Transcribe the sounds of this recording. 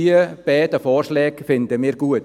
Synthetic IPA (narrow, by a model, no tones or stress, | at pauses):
iəb̥ɛːd̥əfɔːrʃlɛːɡ̥fɪnd̪əmiːɾɡuət